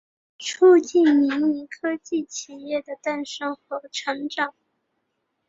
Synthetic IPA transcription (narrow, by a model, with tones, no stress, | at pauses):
ʈ͡ʂʰu˥˧t͡ɕi˥˩nmi˧˥ŋni˧˥kʰɤ˥t͡ɕi˥˩t͡ɕʰi˨˩jɛ˥˩d̪ə˩t̪a˥˩nʂɤ˥ŋxwɔ˧˥ʈ͡ʂʰɤ˧˥ŋʈ͡ʂɑ˨˩˦ŋ